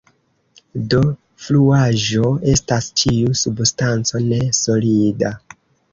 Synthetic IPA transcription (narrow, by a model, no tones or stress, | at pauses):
do̞ | fluaʒo̞e̞stast͡ʃiusubstant͡so̞ne̞so̞lida